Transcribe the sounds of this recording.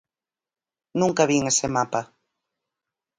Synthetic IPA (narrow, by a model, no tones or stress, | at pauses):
nũŋkaβiŋesemapa